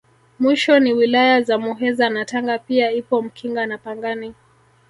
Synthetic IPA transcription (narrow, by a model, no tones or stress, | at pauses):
mwiʃɔniwilajazamuɦɛzanataŋɡapiaipɔm̩kʰiŋɡanapaŋɡani